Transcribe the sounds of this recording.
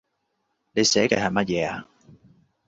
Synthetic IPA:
ne˨˧jsɛː˨˥kɐ˧˩hɐ˨˩jmɐ˥t̚jɛː˨˧a̰ː˧

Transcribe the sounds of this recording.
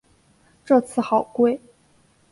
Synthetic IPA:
ʈ͡ʂɤ˥˧t͡sʰɹ̩˥˩xɑ˨˩ʊkwe˥˩ɪ

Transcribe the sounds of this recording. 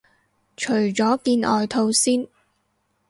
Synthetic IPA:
t͡ʃʰɵ˨˩ɥt͡ʃɔː˨˥kiː˧nʔɔː˨jt̪ʰo˧wsiː˥n

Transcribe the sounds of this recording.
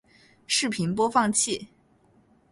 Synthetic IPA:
ʂɻ̩˥˩pʰi˧˥npwɔ˥fɑ˥˧ŋt͡ɕʰi˥˩

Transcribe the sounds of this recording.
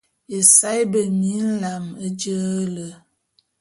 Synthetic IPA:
e˨sa˦jbə˨mi˦n̩˦la˨mə˦d͡ʒə˦lə˨

